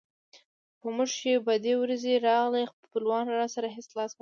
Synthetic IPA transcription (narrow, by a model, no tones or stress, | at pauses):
pəmuʐʃebad̪ewɾazeɾɑɣlex | pəlwɑnɾɑsaɾaɦɪslɑsk